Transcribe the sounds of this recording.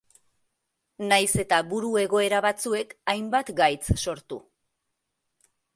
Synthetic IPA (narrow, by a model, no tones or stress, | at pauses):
najse̞t̪aβuɾue̞ɣo̞e̞ɾaβat͡sue̞kajmbat̪ɡajt͡sso̞ɾt̪ṵ